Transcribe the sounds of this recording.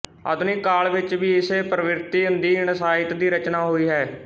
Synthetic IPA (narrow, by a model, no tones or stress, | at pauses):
ə̰d̪ʊniːkaːlʋɪt͡ʃʋiːɪseːpɾəʋɪɾt̪iːʊnd̪iːɪɳəsaːɪt̪d̪iːɾət͡ʃnaːɦoːiːɦɛː